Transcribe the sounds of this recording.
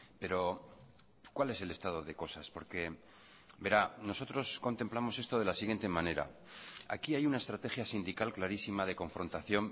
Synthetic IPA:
pe̞ɾo̞ | kwale̞se̞le̞st̪að̞o̞ðe̞ko̞saspo̞ɾke̞ | be̞ɾano̞so̞t̪ɾo̞sko̞nt̪e̞mplamo̞se̞st̪o̞ð̞e̞lasiɣje̞nt̪e̞mãne̞ɾa̰a̰kiajunae̞st̪ɾat̪e̞xjasind̪ikalklaɾisimaðe̞ko̞ɱfɾo̞nt̪aθjo̞m

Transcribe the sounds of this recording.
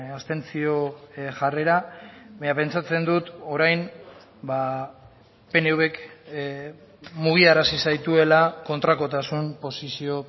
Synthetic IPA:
ast̪e̞nt͡sio̞ʝare̞ɾaβaɲape̞nt͡sat͡se̞nd̪ut̪o̞ɾajn | ba | pe̞ne̞wβe̞k | muɣ̞iaɾasisajt̪ue̞lako̞nt̪ɾako̞t̪asumpo̞sisio̞

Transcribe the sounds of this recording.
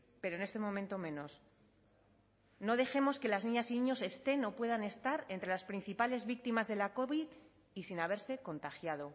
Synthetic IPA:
pe̞ɾoene̞st̪e̞mõ̞mẽnt̪o̞mẽ̞no̞s | no̞ð̞e̞xe̞mo̞ske̞laznĩɲasinĩɲo̞se̞st̪e̞no̞pwe̞ð̞ane̞st̪aɾe̞nt̪ɾe̞laspɾinθipale̞zβik̚t̪imazðe̞lako̞βið | isinaβ̞e̞ɾse̞ko̞nt̪axjað̞o̞

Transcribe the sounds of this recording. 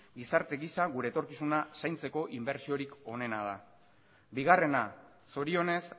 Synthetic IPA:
ɡisaɾt̪e̞ɣisaɣuɾe̞ːt̪o̞ɾkisunasajnt͡se̞ko̞ʔimbe̞ɾt͡sio̞ɾiko̞ne̞naða | biɣare̞na | so̞ɾio̞ne̞s

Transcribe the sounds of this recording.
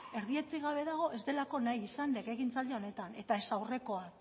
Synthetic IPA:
e̞ɾðie̞t͡siɣ̞aβ̞e̞ðaɣ̞o̞ʔe̞zd̪e̞lako̞najisanleɣeɣint͡sald̪eo̞ne̞t̪ane̞t̪ae̞sawre̞ko̞a

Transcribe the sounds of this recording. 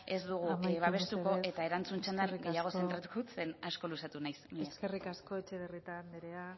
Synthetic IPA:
e̞zd̪uɣ̞uβaβe̞st̪uko̞ʔe̞t̪ae̞ɾant͡sunt͡ʃend̪anɡe̞jaɣ̞o̞se̞nt̪ɾat̪u̥kot͡se̞nasko̞lusat̪unajsmieskerikaskoet͡ʃeðerit̪and̪eɾea

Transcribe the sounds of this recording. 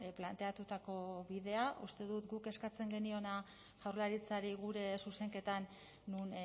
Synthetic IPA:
plant̪e̞at̪ut̪ako̞βiðe̞aʔust̪e̞ðut̪ɡuke̞skat͡se̞ŋɡe̞nio̞na | ʝawɾlaɾit͡saɾiɣuɾe̞suse̞ŋke̞t̪anː | un

